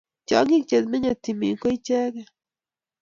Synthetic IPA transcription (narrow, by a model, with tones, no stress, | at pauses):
t͡ʃɔ̰˨˦ŋi˦k̚t͡ʃe˨t̪mɪ˦ɲo˨t̪i˨mḭ˨ŋko˦i˦t͡ʃɛ˦kɛ˦